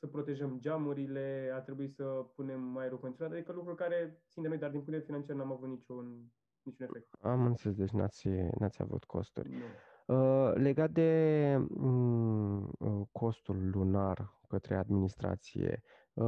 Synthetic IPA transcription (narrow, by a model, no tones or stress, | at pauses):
səpɾo̞t̪e̞ʒəmd͡ʒamuɾile̞art̪ɾe̞buisəpune̞mːajɾukənuɾat̪ad̪ikəlukɾulkaɾe̞tt̪sind̪emojd̪ard̪inpunt̪elefinant͡ʃiarnamavut̪nit͡ʃun | nit͡ʃune̞fek̚t̪amɨnseles̬d̪e̞t͡ʃna̰t̪sʲnʔat̪sʲja̰vṵt̪kʰo̞̰st̪ṵrʲnu | əle̞ɡat̪̚d̪e̞ | ə | kʰo̞st̪ulːunar | kət̪ɾe̞̰ad̪minist̪ɾa̰t̪sḭje̞̰